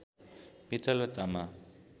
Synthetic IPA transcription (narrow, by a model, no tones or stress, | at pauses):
pit̪alat̪ama